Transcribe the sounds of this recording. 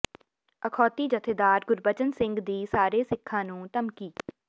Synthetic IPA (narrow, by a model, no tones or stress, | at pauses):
əkʰɔːt̪iːd͡ʒət̪ʰeːd̪aːɾɡʊɾbət͡ʃənsɪ̃ŋɡd̪iːsaːɾeːsɪkʰːãːnũːt̪əmkiː